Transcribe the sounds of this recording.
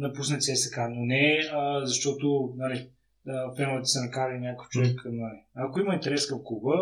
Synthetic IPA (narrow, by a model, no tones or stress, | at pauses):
nɐpusnət̪sɛsɛkanonɛəzɐʃt̪ɔt̪ʊnali | əpɛnəlɛt̪ə̥sɛnɐkaɾəinʲjakəft͡ʃovɛknaliakoiməint̪ɛɾɛskəfkubə